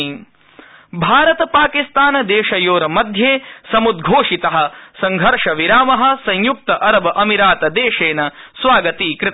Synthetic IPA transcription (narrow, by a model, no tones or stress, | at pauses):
bʱaːɾɐt̪ɐpaːkist̪aːnɐd̪eːʃɐjoːɾɐmɐd̪ʱjeːsɐmud̪ɡʱoːʂit̪ɐɦɐ̆sɐ̃ŋɡʱɐɾʂɐʋiɾaːmɐɦɐ̆sɐ̃ɲjuk̚t̪ɐʔɐɾɐbɐʔɐmiɾaːt̪ɐd̪eːʂeːnɐsʋaːɡɐt̪iːkɾɪt̪